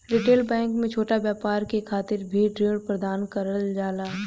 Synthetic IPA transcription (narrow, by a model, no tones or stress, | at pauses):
ɾɪʈeːlbɛ̃ːŋkmẽt͡ʃʰoːʈabjaːpaːɾkekʰaːt̪ɪɾbʱiːɖɾɪʋɽpɾɐd̪aːnkɐɾəld͡ʒaːlaː